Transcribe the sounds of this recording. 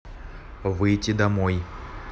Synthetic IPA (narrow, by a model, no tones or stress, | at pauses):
vɨjtʲɪd̪ɐmoj